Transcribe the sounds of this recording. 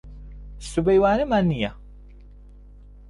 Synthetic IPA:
subejwaːnɨmaːnːija

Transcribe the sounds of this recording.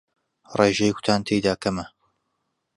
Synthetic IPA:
reːʒejkʰʊ̥t̪ʰaːnt̪ʰejd̪aːkɐmɐ

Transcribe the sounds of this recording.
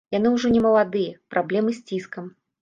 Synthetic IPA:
jan̪ɨwʐɔnʲɛmɐlˠad̪ɨjɐpɾʔablʲɛmɨsʲt͡sʲiskɐm

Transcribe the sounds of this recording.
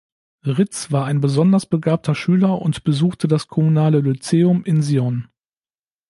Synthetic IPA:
ʁɪt͡sv̥aːɐaɪnbəzɔndɐsb̥əɡaːp̚tʰɐʃyːlɐʔʊ̰ntb̥əzuːxtʰədaskʰɔmunaːləlut͡seːʊmɪnziɔn

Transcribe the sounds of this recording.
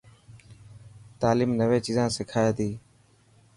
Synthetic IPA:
t̪aːliːmnəʋeːt͡ʃiːzãːsɪkʰaːeːt̪iː

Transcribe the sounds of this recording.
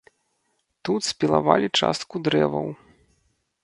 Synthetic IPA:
t̪ut̪sʲpʲilˠavalʲit͡ʂa̰st̪kud̪ɾɛvɐw

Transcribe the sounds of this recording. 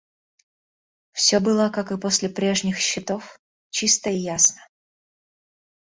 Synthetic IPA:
fsʲɵbɨlˠəkakɨpo̞sʲlʲɪpɾʲe̞ʐnʲɪxɕːɪt̪o̞f | t͡ɕist̪əijasnə̥

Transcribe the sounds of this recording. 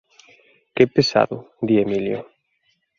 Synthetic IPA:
kepesa̰ðud̪iemiljo̰

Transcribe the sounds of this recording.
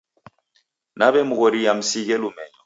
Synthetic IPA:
nabɛmuɣɔɾijam̩siɣɛlumɛɲɔ

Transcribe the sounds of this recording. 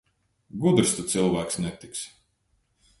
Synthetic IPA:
ɡud̪ɾst̪ut̪silˠvæːksnʲɛt̪iks

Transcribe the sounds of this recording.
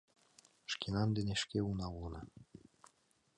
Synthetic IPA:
ʃkenɑnd̪ɘ̆nʲeʃkeunɑunɑ

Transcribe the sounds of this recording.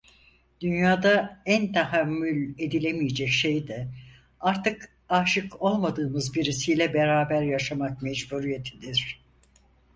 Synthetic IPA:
d̪̥ynjaːd̪aænt̪ʰahamːylʲe̞d̪ilʲemijed͡ʒɛcʃejd̪ɛ | aɾt̪ʰɯk | aːʃɯkʰo̞lˠmad̪ɯːmɯzbiɾisijlʲɛbeɾaːbæɾjaʃamak̚mɛd͡ʒbuɾijet̪ʰid̪iɾ̥

